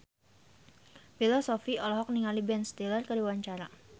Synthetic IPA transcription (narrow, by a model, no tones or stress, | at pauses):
filɔsɔfiɔlɔɦɔk̚niŋalibɛnst̪ilərkəɾiwaɲt͡ʃaɾa